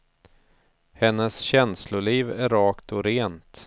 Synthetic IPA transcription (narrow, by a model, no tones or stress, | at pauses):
hɛnːəsɕɛnslʊɭiːvæɾɑːkt̪ʰɔɾeːnt̪